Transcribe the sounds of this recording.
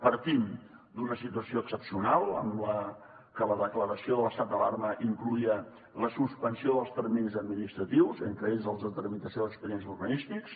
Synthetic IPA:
pəɾt̪imd̪unəsit̪uəsioəksəpsiunalˠə̰mlə | kələðəkləɾəsioðələst̪at̪̚d̪əlarməʔiŋkluiə | ləsuspənsioðəlˠst̪əɾminzəd̪minist̪ɾət̪iwzəŋkɾəeʎzðəlˠd̪ət̪ərmit̪əsioðəkspəɾienzuɾɣənist̪iks

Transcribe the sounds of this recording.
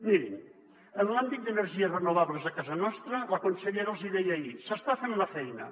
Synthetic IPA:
miɾḭn | ənlambit̪̚d̪ənəɾʒiəzrənuβaβləzðəkazɐnɔst̪ɾələkonseʎeɾalˠziðɛjaisəst̪afenlɐfɛjnə̰

